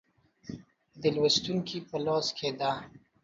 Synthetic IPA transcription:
d̪əlwəst̪uŋkʰipəloskʰed̪a

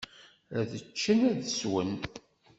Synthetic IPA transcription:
æðət͡ʃːənæðəswən

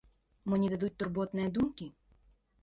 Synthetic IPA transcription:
mɔnʲid̪ad̪ut̚ʲt̪urbɔt̪nɨjɐd̪umkʲi

